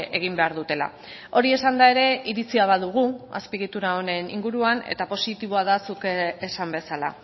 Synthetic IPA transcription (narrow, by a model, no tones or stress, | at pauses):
e̞ɣ̞imbe̞aɾðut̪e̞la̰ | o̞ɾie̞sand̪ae̞ɾe̞iɾit͡siaβaðuɣ̞ua̰spiɣit̪uɾaone̞nḭŋɡuɾuane̞̰t̪apo̞sit̪iβo̞aðasukeesambe̞sala̰